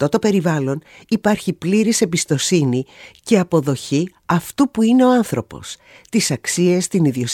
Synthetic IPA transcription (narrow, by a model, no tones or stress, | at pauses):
t̪o̞t̪o̞pe̞ɾivɐlo̞nipɐɾçipliɾise̞bist̪o̞sinice̞ɐpo̞ðo̞çi | ɐft̪upuine̞oɐnθɾopo̞̰s | t̪isɐksiest̪iniðio̞s